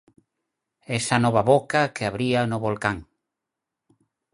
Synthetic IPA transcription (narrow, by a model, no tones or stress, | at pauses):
ɛsanɔβaβokakeaβɾianoβolkaŋ